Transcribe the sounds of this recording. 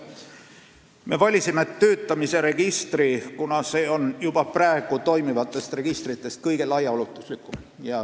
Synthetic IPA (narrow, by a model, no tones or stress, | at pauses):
me̞vɑlʲisimet̪ːøːt̪ːˑɑmise̞ɾe̞ɡ̥ist̪rikunɑse̞ːo̞njub̥ɑpræːeɡ̥ut̪o̞jmivɑt̪ːˑe̞st̪re̞ɡ̥ist̪rit̪ˑːe̞st̪̚kɤjɡ̥e̞lɑjɑolut̪ˑːuslikːˑum | jɑ